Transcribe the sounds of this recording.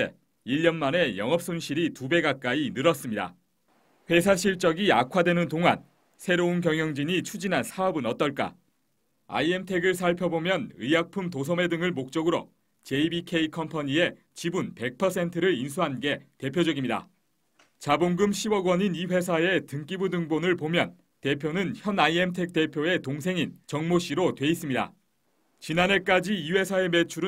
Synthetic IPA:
ḛ | iʎːʌnmane̞jʌŋʌp̚s͈onɕʰiɾitube̞ɡak̚k͈ainɯɾʌs͈ɯmɲida̰ | ɸwe̞sʰaɕʰiɭt͡ɕ͈ʌɡiakʰwadwe̞nɯntoŋa̰n | sʰe̞ɾoɯnk̬jʌŋjʌŋd͡ʑiɲit͡ɕʰud͡ʑinɦansʰaʌbɯnʌt̚t͈ʌɭk͈a̰ | a̰ie̞mtʰe̞ɡɯɭsʰaɭpʰjʌbomjʌnɯjak̚pʰumtos̬ʰʌme̞dɯŋɯɭmok̚t͡ɕ͈ʌɡɯɾo̰ | t͡ɕe̞ibikʰe̞ikʰʌmpʰʌɲie̞ | t͡ɕibunpe̞k̚pʰʌsʰe̞ntʰɯɾɯɾins̬ʰuɦanɡe̞te̞pʰjod͡ʑʌɡimɲida̰ | t͡ɕaboŋɡɯmɕʰiwʌɡwʌɲiniɸe̞s̬ʰae̞tɯŋk͈ibudɯŋbonɯɭpomjʌ̰n | te̞pʰjonɯnçjʌnaiemtʰe̞k̚t͈e̞pʰjoe̞toŋs̬ʰe̞ŋint͡ɕʌŋmoɕ͈iɾotwe̞is͈ɯmɲida̰ | t͡ɕinane̞k͈ad͡ʑiiwe̞sʰae̞me̞t͡ɕʰuɾɯ

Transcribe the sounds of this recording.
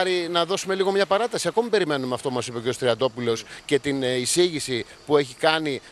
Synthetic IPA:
ɾinɐðo̞sume̞liɣo̞mɲɐpɐɾɐt̪ɐsiɐko̞mibe̞ɾime̞numeɐft̪o̞pumɐsipeceost̪ɾiɐd̪o̞pulo̞sce̞t̪inisiʝisi | pue̞çikɐni

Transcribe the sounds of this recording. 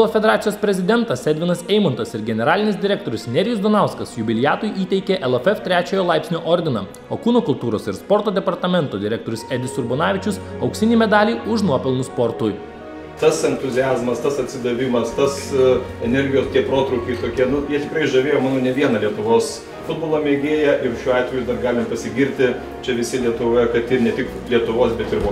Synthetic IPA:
lˠofʲɛd̪ʲɛɾɑːt̪sʲɪjoːspʲɾʲɛzʲɪd̪ʲɛnt̪ɐsʲɛd̪ʲʋʲɪnɐsɛɪmɔnt̪ɐsɪɾɡʲɛnʲɛɾɑːlʲɪnʲɪsd̪ʲɪɾʲɛk̚t̪oːɾʲʊsnʲɛɾʲɪjʊsd̪onɑˑʊskɐsjʊbʲɪlʲɪjæːt̪ʊjʔiːt̪ʲɛɪkʲeʔɛlˠɛfɛft̪ʲɾʲæːt͡ʃʲojoːlˠɑˑɪpʲsʲnʲoːʔoɾʲd̪ʲɪnɐ | oːkuːnoːkʊlˠt̪uːɾoːsɪɾspɔɾt̪oːd̪ʲɛpɐɾt̪ɐmʲɛnt̪oːd̪ʲɪɾʲɛkt̪oːɾʲʊsɛd̪ʲɪsʊɾbonɑːʋʲɪt͡ʃʲʊsɐʊksʲɪnʲiːmʲɛd̪ɑːlʲiːʊʃnuɔpʲɛlˠnʊspɔɾt̪uj | t̪ɐsɛnt̪ʊzʲɪɑːzmɐst̪ɐsɐt̪ʲsʲɪd̪ɐʋʲɪmɐst̪ɐsɛnʲɛɾʲɡʲɪjoːst̪ʲiɛpɾoːt̪ɾɐʊkʲɛɪt̪oːkʲiɛnʊjiɛt̪ʲɪkɾɐɪʒɐʋʲeːjoːmɑːnoːnʲɛʋʲiɛnɐlʲiɛt̪ʊʋoːs | fʊd̪̚boːlˠoːmʲeːɡʲeːjɛʔɪɾʃʲuːɑːt̪ʋʲɛjud̪ɐrɡɑːlʲɪmpɐsʲɪɡʲiːɾʲt̪ʲɪ | t͡ʃʲɛʋʲɪsʲɪlʲiɛt̪ʊʋoːjɛkɐt̪ɪnʲɛt̪ʲɪk | lʲiɛt̪ʊʋoːsbʲɛt̪ɪɾʋo

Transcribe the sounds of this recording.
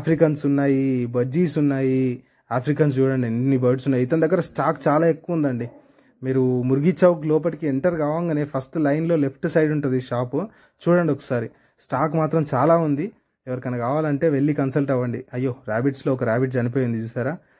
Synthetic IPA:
aːpʰɾikɐnsunːaːjibɐd͡ʒːiːsunːaːji | aːpʰɾikɐns̬t͡ʃuːɽɐɳɖiɐnːibɐɖsunːaːjit̪ɐnd̪ɐɡːɐɾɐsʈaːkt͡ʃaːlaːe̞kːuʋɐund̪ɐɳɖi | miːɾumuɾɡit͡ʃaːʋɐk̬ilɔːpɐʈikieɳʈɐɾɡaːʋɐŋɡaneːpʰɐsʈlɐjnlo̞ːle̞pʰʈsɐjɖuɳʈund̪iʃaːp | t͡ʃuːɽɐɳɖiɔkːɐ̥saːɾi | sʈaːkmaːt̪ɾɐmt͡ʃaːlaːund̪i | ɛʋɐɾikɐnɐkaːʋaːlɐɳʈe̞ːʋe̞ɭːikɐnsɐlʈɐʋːɐɳɖiɐjːo̞ːɾaːbiʈslo̞ːɔkɐɾaːbiʈsɐnipoːjɐnd̪it͡ʃuːsaːɾaː

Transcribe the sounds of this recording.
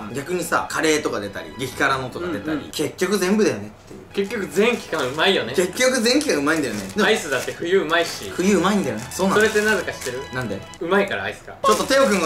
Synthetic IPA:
ɡʲakɯ̟ɲ̟isa̰kʰaɾe̞ːt̪o̞kad̪e̞t̪a̰ɾʲḭɡʲekʲi̥kaɾanot̪o̞kad̪e̞t̪a̰ɾʲḭke̞kʲːo̞kɯ̟zẽmbɯd̪ajo̞ne̞t̪ːe̞jɯ̟ke̞kʲjo̞kɯ̟zẽ̞ŋkʲi̥kaɯ̟maijo̞neke̞kʲːo̞kɯ̟zẽ̞ŋkʲikaɯ̟maĩnd̪ajo̞ned̪eaisɨd̪at̪ːe̞ɸɯ̟jɯ̟ɯmaiɕiɸɯ̟jɯ̟ːɯ̟maĩnd̪ajo̞nesoːnasoɾe̞t̪ːenazekaɕi̥t̪e̞ɾɯ̟nãnd̪e̞ | ɯmaikaɾa̰aisɨ̥ka̰o̞t̪ːo̞t̪e̞okɯ̟̃ŋɡ

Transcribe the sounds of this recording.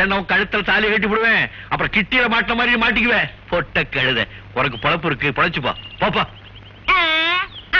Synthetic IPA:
ɛnːɐʋɐ̃kɐɻɯt̪ːɐlɐt̪aːlɪjɐkːɐʈ̬ːipːʊɽɯʋẽː | ɐpːɯɾɐ̃kɪʈːɪjɪlɐmaːʈːɪnɐmaːd̪ɾinmaːʈ̬ːɪkːɯʋẽːpɔʈːɐkːɐɻɯðɛ̰ | ɔnɐkːɯpɔɽɐpːɯɾɯkːɯpɔɽɐt͡ʃːɯpːo̰ːpoːpːa

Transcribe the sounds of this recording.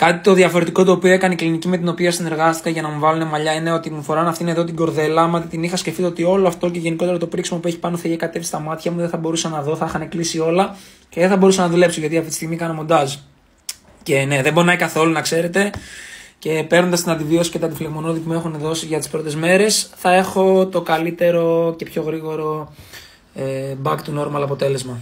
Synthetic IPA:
kɐt̪it̪o̞ðʝɐfo̞ɾet̪iko̞t̪oːpio̞ekɐneiklinicimet̪ino̞piɐsine̞ɾɣɐst̪i̥kɐʝɐnɐmuvɐlune̞mɐʎɐineo̞t̪imufo̞ɾɐnɐft̪iineðot̪iɡo̞ɾðe̞lɐmɐt̪it̪inixɐsceft̪it̪ot̪io̞loɐft̪o̞ceʝe̞niko̞t̪e̞ɾot̪o̞pɾiksimo̞pue̞çi̥pɐnoθɐiçekɐt̪e̞fisi̥st̪ɐmɐt̪çɐmuðeθɐbo̞ɾusɐnɐðo̞θɐixɐneklisio̞lɐ | ce̞ðeθɐbo̞ɾusɐnɐðule̞psoʝɐt̪iɐft̪eit̪ist̪iɣmikɐnɐmo̞nd̪ɐs | ce̞ne̞ðebonɐikɐθo̞lunɐkse̞ɾe̞t̪e̞ | ce̞pe̞ɾnond̪ɐst̪inɐnd̪iviosi̥cet̪iɐd̪ifileɣmo̞noðipume̞xunðo̞siʝɐt̪i̥spɾo̞t̪e̞zme̞ɾe̞sθɐe̞xo̞t̪o̞kɐlit̪e̞ɾo̞ce̞pço̞ɣɾiɣo̞ɾo̞ | ebɐkt̪uno̞ɾmɐlɐpo̞t̪e̞le̞zmɐ

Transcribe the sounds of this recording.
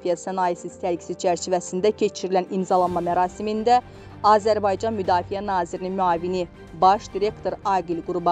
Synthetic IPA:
fijɑsɑnɑjisist̪ʰæɾkʰi̥sizt͡ʃʰæɾt͡ʃʰivæsind̪æcʰe̞t͡ʃʰiɾilænimzɑlˠɑnmɑmæɾɑːsimind̪æ | ɑːzæɾbɑjd͡ʒɑnmyd̪ɑːfijænɑːziɾininmyɑːvini | bɑʃd̪̥iɾe̞kt̪ʰo̞ɾɑːɡilɡuɾubɑ

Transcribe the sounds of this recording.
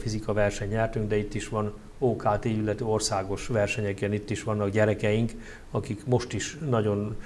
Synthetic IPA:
fizikɒvɛrʃɛɲɲɛrt̪yŋɡd̪ɛit̪ːiʃʋɒn | oːkaːt̪eːilːɛt̪øo̞rsaːɡo̞ʃʋɛrʃɛɲɛkeːnit̪ːiʃʋɒnːɒɡɟɛɾɛkɛjiŋk | ɒkikmo̞ʃt̪iʃnɒɟo̞n

